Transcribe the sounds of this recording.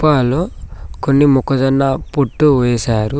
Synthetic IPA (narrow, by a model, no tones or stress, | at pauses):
paːloːkonːimukːɐd͡ʒɐnːapoʈːuʋɛːsaːɾu